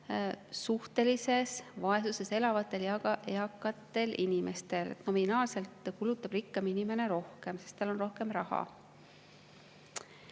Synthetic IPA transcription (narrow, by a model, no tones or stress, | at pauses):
suht̪e̞lise̞svɑe̞suse̞se̞lɑvɑt̪ːˑe̞ljɑɡɑʔe̞ɑkːˑɑt̪ːˑe̞lʔinime̞st̪e̞lḛt̪no̞minɑːlse̞lt̪kulut̪ːˑɑb̥rikˑːɑminime̞ne̞ɾo̞hke̞mse̞st̪ɑlo̞nro̞hke̞mrɑhɑ̰